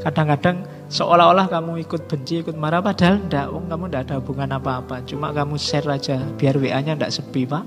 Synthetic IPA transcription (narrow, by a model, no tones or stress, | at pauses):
kad̥aŋkad̥aŋ | səʔolaɦolahkamuikʊt̪̚b̥əɲt͡ʃiːkʊt̪̚maɾapad̥a̤lndaʔwɔŋkamundad̥a̤bṳŋanapaːpat͡ʃuma̰kamusɛrad̥d͡ʒ̥a̤b̥i̤arweʔaɲanda̰ʔsəbipah